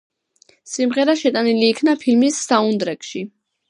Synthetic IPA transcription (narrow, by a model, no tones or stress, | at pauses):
simʁɛɾaʃɛt̪ʼaniliːkʰnapʰilmisːaund̪ɾɛkʃi